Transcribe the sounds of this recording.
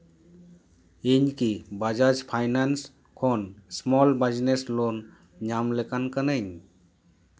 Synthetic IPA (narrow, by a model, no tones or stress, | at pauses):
iɲkibad͡ʒad͡ʒpʰajnans | kʰonsmɔlbəd͡ʒneslon | ɲamlekankənəɲ